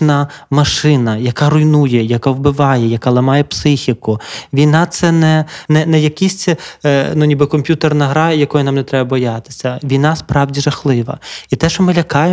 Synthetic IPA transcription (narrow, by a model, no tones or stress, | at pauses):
nɐmɐʃɪnɐjɐkɑɾʊjnujɛjɐkawbɪʋɑjɛjɐkɑlˠɐmɑjɛpsɪxʲikʊʋʲijnɑt̪sɛnɛnɛnɛjɐkʲisʲnunʲibɪkɔmʲpʲjut̪ernɐɦɾɑjɐkɔjʊnɑmnɛt̪ɾɛbɐbɔjɑt̪ɪ̥sʲɐʋʲijnɑspɾɑwdʲiʒɐxlˠɪʋɐ̰it̪ɛʃɔmɪlʲɐkɑj